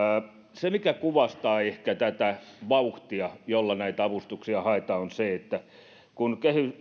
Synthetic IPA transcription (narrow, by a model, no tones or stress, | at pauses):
semikækuʋɑst̪ɑːehkæt̪æt̪æʋɑuht̪iɑjolːɑnæit̪æɑʋust̪uksiɑhɑet̪ɑonseet̪ːæ | kunkehy